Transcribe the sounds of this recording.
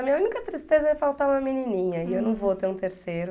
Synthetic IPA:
ɐmĩɲɐunikɐt̪ɾist̪ezɐɛfawt̪aɾũmɐmininĩɲɐiewnɐ̃w̃vot̪eɾũt̪eɾsejɾʊ

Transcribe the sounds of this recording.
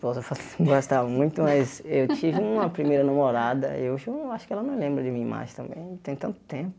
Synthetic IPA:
pozɐfaɡost̪avmũj̃t̪ʊmɐjzewt͡ʃivɪũmɐpɾimejɾɐnɐ̃moɾad̪ɐ̰ewʒɐaʃʊ̥kɪɛlɐnɐ̃w̃lẽmbɾɐd͡ʒɪmĩɐima̰ʒẽj̃t̪ɐ̃mbḛ̃j̃t̪ẽj̃t̪ɐ̃nt̪ʊ̥t̪ẽpʊ

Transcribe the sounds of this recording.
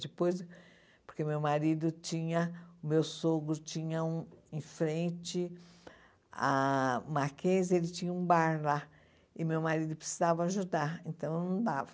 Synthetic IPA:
d͡ʒɪpojz | poɾkemewmaɾid̪ʊt͡ʃĩɲɐʊmewsoɡɾʊt͡ʃĩɲɐũẽj̃fɾẽnt͡ʃɪ | a̰maɾkez̬elɪt͡ʃĩɲɐũbaɾla | ɪmewmaɾid̪ʊpɾɪ̥sizavɐaʒud̪aɾẽnt̪ɐ̃w̃ewnɐ̃w̃d̪avɐ

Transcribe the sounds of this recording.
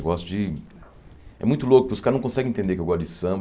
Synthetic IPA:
ɡɔsʊd͡ʒɪ | ɛ̰mũj̃t̪ʊlokʊpɪʊskaɾnɐ̃w̃kõsɛɡɪ̃ẽt̪ẽd̪ekewɡɔɾt̪ʊd͡ʒɪsɐ̃mb

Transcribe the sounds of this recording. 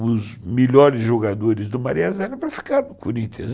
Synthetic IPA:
ʊzmeʎɔɾɪzʒoɡad̪oɾɪzd̪ʊmaɾiazɛɾɐpɾɐfi̥kaɾnʊkuɾĩnt̪ḛ̃z

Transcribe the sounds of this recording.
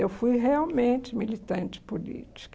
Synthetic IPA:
ewfujɦeawmẽnt͡ʃɪmilit̪ɐ̃nt͡ʃɪ̥polḭt͡ʃi̥k

